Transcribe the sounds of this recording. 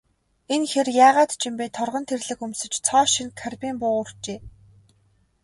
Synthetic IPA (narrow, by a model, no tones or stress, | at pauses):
enxerjaːʁaːt̪t͡ɕʰĭmpeːt̪ʰɔrʁɞ̆nt̪ʰerɮɘ̆kɵmsɵ̆t͡ɕt͡sʰɔːʃĭnkʰarpʲiːmpʊːʊr̥t͡ɕeː